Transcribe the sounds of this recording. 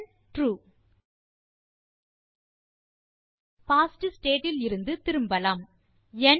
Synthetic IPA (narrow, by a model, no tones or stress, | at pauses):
ʈɾuː | paːsʈɯsʈeːʈɪlɪɾɯnd̪ɯt̪ɪɾɯmbɐlaːm | ɛn